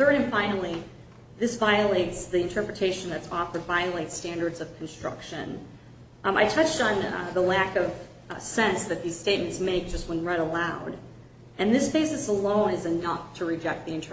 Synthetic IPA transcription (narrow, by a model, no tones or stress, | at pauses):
θɜ˞ɾɨ̃nfãɪ̃nl̩ˠi | ðɪsvaɪɨleɪtsðiɨ̃ntʰɜ˞pɹɨtʰeɪʃn̩ðɨtsɔfə˞dvaɪɨleɪtstæ̃ndə˞dzʌv̥kʰn̩stɹ̥ʌ̰kʃɨ̰̃n | a̰ɪtʰʌt͡ʃtn̩ðəlækʌv̥ | sɛ̃nsðɨt̪̚ðiz̥steɪt̚mɨ̃n̩tsmeɪk̚d̥ʒ̥ʌst̚wə̃nɹɛɾəlaʊɾ | ɨ̃nðɪsb̥eɪsɨsəlõʊ̃nɨzɨnʌftʰɨɹɨd͡ʒɛk̚t̪̚ðiɨ̃ntʰə